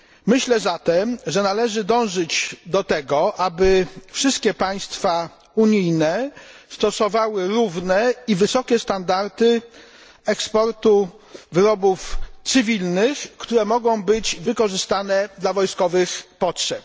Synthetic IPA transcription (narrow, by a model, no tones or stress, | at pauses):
mɘɕlɛzat̪ɛmʐɛnalɛʐɘd̪ɔ̃w̃ʐɘd͡ʑd̪ɔt̪ɛɡɔʔabɘfʂɘst̪̚kʲɛpaj̃st̪fa | uɲijnɛst̪ɔsɔvawɘɾuvnɛivɘsɔkʲɛst̪and̪aɾt̪ɘ | ɛkspɔɾt̪u | vɘɾɔbuft̪sɘvʲilnɘxkt̪uɾɛmɔɡɔ̃w̃bɘd͡ʑvɘkɔʐɘst̪anɛd̪lavɔjskɔvɘxpɔtʂɛp̚